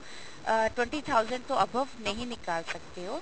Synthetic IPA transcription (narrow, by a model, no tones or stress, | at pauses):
ʈwə̃ɳʈit̪ʰaːʊzə̃ɳɖt̪õɐbʱəʋnɐɦĩnɪkaːlsɐkt̪eɦoː